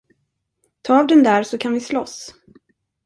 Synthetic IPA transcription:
t̪ʰɑːvd̪ɛnd̪æːɾsɔkʰanvɪslɔs

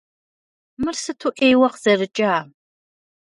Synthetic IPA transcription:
mɨrsɨtʰuːʔejwɐqz̥ɐrɨt͡ʃʼaː

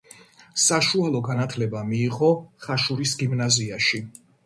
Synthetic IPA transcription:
saʃualˠɔɡanat̪ʰlɛbamiːʁɔχaʃuɾisɡimnaziaʃi

